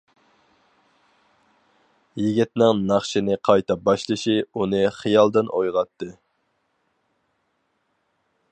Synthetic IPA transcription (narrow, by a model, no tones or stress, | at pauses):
jiɡʲit̪nɪŋnɑχʃinɨqʰɑjt̪ʰɑbɑʃlˠɨʃiunɨχijɑlˠd̪ɨnʔojʁɑt̪ːɨ